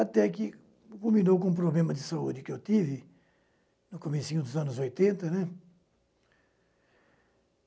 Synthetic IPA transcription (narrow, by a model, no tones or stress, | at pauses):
at̪ɛkɪ | kulmĩnowkõũpɾoblẽmɐd̪ɪsaṵd͡ʒ̪ɪkewt̪ivɪ | nʊkomisĩɲud̪ʊzɐ̃nʊzojt̪ẽnt̪ɐnɛ